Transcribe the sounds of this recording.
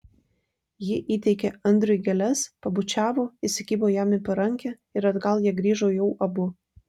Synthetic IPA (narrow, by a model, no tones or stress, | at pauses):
jɪʔiːt̪ʲɛɪkʲeɐnʲd̪ʲɾʲʊjɡʲɛlʲɛspɐbʊt͡ʃʲæːʋoːɪsʲɪkʲiːboːjæːmʲɪpɐɾɐŋʲkʲɛ | ɪɾɐd̪ɡɐlˠjiɛɡɾʲiːʒoːjɛʊʔɐbʊ